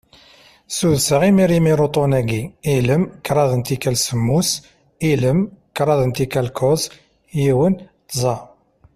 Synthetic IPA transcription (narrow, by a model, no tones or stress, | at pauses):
suðsəʁimiɾimiɾot̪ˤonæɡiiləmkːɾˤɑðˤənt̪ikælsəmːus | iləmkːɾˤɑðˤənt̪ikælkʰoz | jiwənt̪zˤɑ